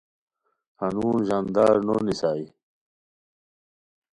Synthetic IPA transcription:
hanuːnʑand̪aːɾnonisaːi

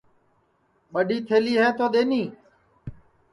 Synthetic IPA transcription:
ɓəɖiːt̪ʰeːliːɦɛ̃ːt̪oːɗ̪eːniː

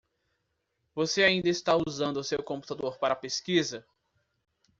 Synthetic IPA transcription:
voseaĩnd̪ɐɪst̪auzɐ̃nd̪ʊʊsewkõpu̥t̪ad̪oɾpaɾɐːpeskizɐ

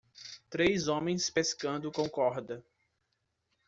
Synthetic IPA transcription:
t̪ɾejzõmẽj̃speskɐ̃nd̪ʊkõkɔɾd̪ɐ

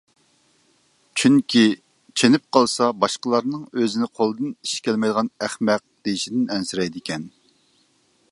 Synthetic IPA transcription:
t͡ʃʰyŋkʲʰi | t͡ʃʰenɪp̚qʰɑlˠsɑbɑʃqəlˠɑɾnɨŋøzɪnɪqʰolˠɨd̪ɨniʃkʲʰɛlmɛjd̪əʁɑnæχmɛq̚d̪̥ejiʃid̪ɪnɛnsɪɾɛjd̪ɪkʲɛn

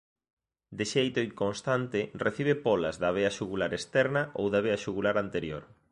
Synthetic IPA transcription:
d̪ɪʃejt̪oiŋkonst̪ant̪ɪreθiβ̞epɔlɐzðaβ̞eaʃuɣulaɾest̪ɛɾnɐʔowðaβeaʃuɣulaɾant̪eɾjoɾ

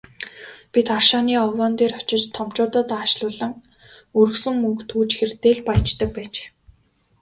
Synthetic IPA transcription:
pʲit̪arʃaːniːɔwɔːnt̪eːrɔt͡ɕɪ̆t͡ɕt̪ʰːɔmt͡ɕʊːt̪ə̆t̪aːʃɮʊːɮə̆ŋ | ɵɾɵ̆ksɵ̆ŋmɵŋkt̪ʰuːt͡ɕxert̪eːɮpajt͡ɕt̪ə̆k̚pæːt͡ɕ

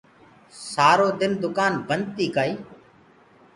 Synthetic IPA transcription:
saːɾoːd̪ɪnd̪ʊkaːnbənd̪̚t̪iːkaːiː

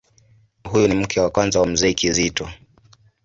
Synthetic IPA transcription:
hujunim̩kʰɛwakwanzawam̩zɛikizitɔ

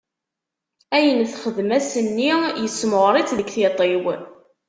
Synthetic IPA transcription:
æjənθχəðmæsənːijəsːmʊʁɾˤɪt͡sðəkθit̪ˤew

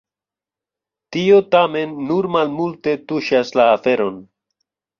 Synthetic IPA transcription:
tio̞tame̞nːuɾmalmulte̞tuʃaslaːfe̞ɾo̞n

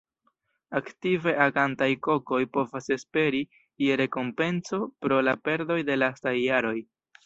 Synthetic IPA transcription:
aktive̞ʔaɡantajko̞ko̞jpo̞vase̞spe̞ɾi | jeɾe̞ko̞mpe̞nso̞pɾo̞lape̞ɾdo̞jde̞lastajːaɾo̞j

